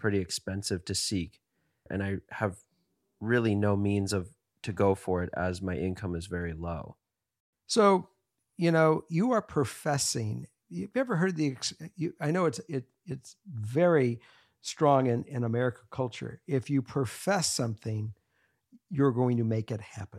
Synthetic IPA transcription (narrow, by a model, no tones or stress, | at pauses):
pʰɹ̥ɪɾiɨkspɛ̃nsɨv̥tʰɨsik | ʔɨ̰̃ñaɪəv | ɹɪlˠinoʊmĩnzʌv̥ | tʰɨɡoʊfə˞ɪɾə̰zmaɪʔɪ̃nkʰʌ̃mɨzvɛɹiloʊ | soʊ | jɨnoʊjɨə˞pʰɹ̥əfɛsɪ̃ŋ | jvjɛvə˞ɦɜ˞d̪̚ðiɨksjɨaɪnoʊɨtsɪt | ɪtsvɛɹi | stɹ̥ɔ̃ŋɪ̃nɪ̃nəmɛɹɨkəkʰʌlˠt͡ʃə̰˞ɪfjɨpʰɹ̥əfɛsʌ̃mθɪ̃ŋ | jə˞ɡoʊɪ̃ŋtɨmeɪkɨt̚hæpɨ̃n